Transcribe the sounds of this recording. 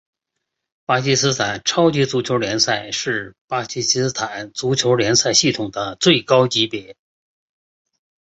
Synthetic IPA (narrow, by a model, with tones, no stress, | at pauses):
pa˥t͡ɕʰi˥sɹ̩˥t̪ʰa˨˩nʈ͡ʂʰɑ˥ʊt͡ɕi˧˥t͡su˧˥t͡ɕʰjo˧˥ʊljɛ˧˥nsa˥˧ɪʂɻ̩˥˩pa˥t͡ɕʰi˥sɹ̩˥t̪ʰa˨˩˦nt͡su˧˥t͡ɕʰjo˧˥ʊljɛ˧˥nsa˥˧ɪɕi˥˩t̪ʰʊ˨˩ŋd̪ə˦t͡swe˥˩ɪkɑ˥ʊt͡ɕi˧˥pjɛ˧˥